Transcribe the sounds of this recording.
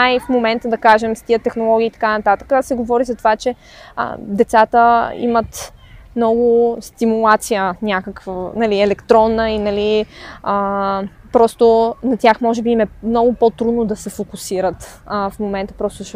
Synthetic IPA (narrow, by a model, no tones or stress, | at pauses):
afmomɛnt̪əd̪ɐkaʒɛmst̪iət̪ɛxnolˠɔɡ̟ʲiːt̪ɐ̥kanɐt̪at̪ə̥kəsɛɡovɔɾizɐt̪ovat͡ʃɛ̰ | d̪ɛt̪sat̪əḭmət̪ | mnɔɡʊst̪imulˠat̪sijənʲjakəkvənɐliɛlɛkt̪ɾɔnːəinɐliə | pɾɔst̪ʊnɐt̪ʲjaxmɔʒɛbiːmɛmnɔɡʊpot̪ɾud̪nod̪ɐsɛfokusiɾət̪fmomɛnt̪əpɾɔst̪ʊʃ